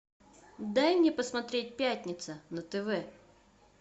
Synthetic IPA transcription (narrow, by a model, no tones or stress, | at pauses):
d̪ajmnʲepəsmɐt̪ɾʲet̚ʲpʲætʲnʲɪt̪sənət̪ɛvɛ